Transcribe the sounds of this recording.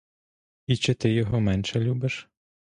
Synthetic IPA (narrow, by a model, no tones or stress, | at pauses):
it͡ʃɪt̪ɪjɔɦɔmɛnʃɛlʲubɪʃ